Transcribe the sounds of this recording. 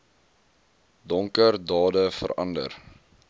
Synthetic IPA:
dɔŋkərdɑːdəfə̰ɾɐ̰ndə̰r

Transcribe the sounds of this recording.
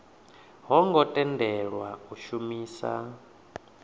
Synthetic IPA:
ɦɔŋɡɔtʼɛndɛɺwauʃumiːsa̰

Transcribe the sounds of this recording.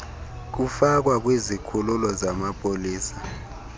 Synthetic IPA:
k̬ufak̬wak̬wezikʰululɔzamapʼoliːsḁ

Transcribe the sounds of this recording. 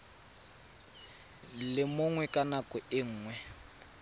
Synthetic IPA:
lɪmʊŋwɛkʼanakʼʊɪŋ̩ːŋwɛ

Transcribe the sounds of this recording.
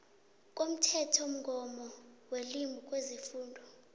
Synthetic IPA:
k̬ʼom̩tʰɛtʰom̩ɡʱɔmɔwelimbʱuk̬ʼwezifuːndʱɔ

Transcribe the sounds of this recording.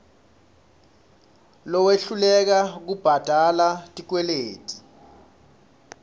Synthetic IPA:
lɔweɬulɛk̬ak̬ub̥ʱad̥ʱalatʼik̬wɛleːtʼi̥

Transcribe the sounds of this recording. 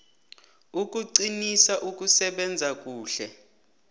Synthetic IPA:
uk̬ʼuǀinisaʔuk̬ʼusɛɓɛnd͡zʱak̬ʼuːɬɛ

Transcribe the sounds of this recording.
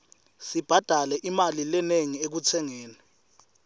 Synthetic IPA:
sib̥ʱad̥ʱalɛʔimalilɛneŋiek̬ut͡sʰɛŋɛːnɛ

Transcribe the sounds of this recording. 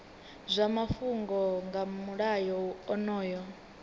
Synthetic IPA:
zʷamafuŋɡɔŋɡamuɺajɔwuɔnɔːjɔ

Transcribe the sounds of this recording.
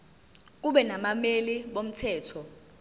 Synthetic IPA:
k̬uɓɛnamameliɓom̩tʰɛːtʰɔ

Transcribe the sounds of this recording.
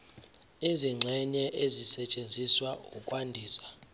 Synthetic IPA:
iziŋ͡ǀʱɛɲɛʔezisɛt͡ʃʼend͡zʱiswaṵkʼwandʱiːsḁ

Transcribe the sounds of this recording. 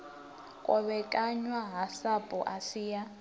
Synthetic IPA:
kʼɔβɛkʼaɲwaɦasapʼɔ̰ʔasiːja

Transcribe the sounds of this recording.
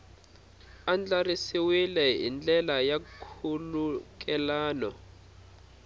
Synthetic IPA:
and͡ɮarisiwilɛḭnd͡ɮɛlajakʰuluk̬ʼɛlaːnɔ

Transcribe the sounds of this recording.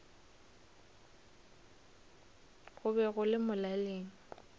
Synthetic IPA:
ɣʊbɛɣʊlɪmʊlaleːŋ̩

